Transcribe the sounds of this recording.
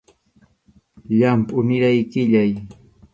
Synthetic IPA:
ʎampʼʊnɪɾajkɪʎaj

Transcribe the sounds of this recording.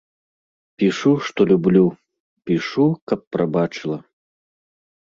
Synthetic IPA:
pʲiʂuʂt̪ɔlʲublʲu | pʲiʂukɐpːɾabat͡ʂɨlˠɐ

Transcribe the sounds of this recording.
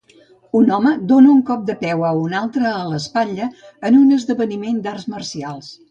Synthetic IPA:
unɔməd̪onəuŋkɔp̚d̪əpɛwəunalˠt̪ɾəːləspaʎəənunəzðəβənimend̪arzmərsialˠs

